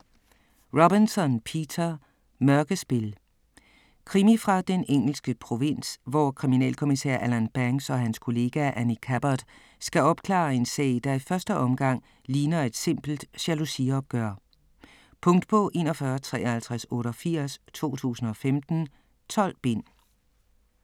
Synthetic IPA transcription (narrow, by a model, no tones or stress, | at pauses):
ʁob̥insɒ̽npʰiːt͡sʰɐ | mœɐɡ̥əsb̥e̝l | kʰʁimifʁɑ̈d̥eneŋ̰l̩sɡ̥əpʰʁo̝ʋe̝n̰sʋɒkʰʁiminɛ̰ːlkʰo̝misɛ̰ɐ̰ʔælænb̥æŋsɒ̽ɦænskʰo̝le̝ːɡ̥æʔænikʰæb̥ɐd̥ | sɡ̥æɒ̽b̥kʰlɑ̰̈ːe̝nsɛ̰ːɪd̥ɑ̈ifɶɐsd̥əʔɒ̽mɡ̥ɑ̈ŋ̰ | liːnɐe̝d̥se̝m̰b̥l̩d̥ɕælusiɒ̽b̥̚ɡ̥œɐ̰ | pʰɔ̽ŋ̰d̥̚pʰɒ̽ʔe̝ːnɒ̽fɶːɐt͡sʰʁɛ̰ːɒhælt͡sʰʁasɔ̽ːɾɒfiɐ̰st͡sʰo̝̰ːt͡sʰṵːsn̩ɒ̽femd̥n̩ | t͡sʰɒ̽l̰b̥en̰